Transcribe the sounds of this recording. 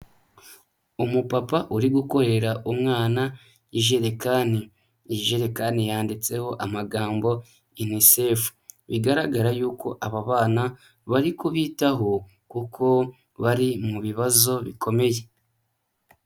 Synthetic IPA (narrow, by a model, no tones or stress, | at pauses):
umupapaʔuɾiɡuko̞ɾe̞ɾaʔumŋaːna | iʒe̞ɾekani | ʒe̞ɾekanijaːndit͡se̞ho̞ʔamaɡaːmbo̞ | inise̞fu̥βiɡaɾaɡaɾajuːko̞̰ʔaβaβaːna | βaɾikuβiːtaɦo̞ | kukʰo̞ | βaɾimuβiβazo̞βikʰo̞me̞je̞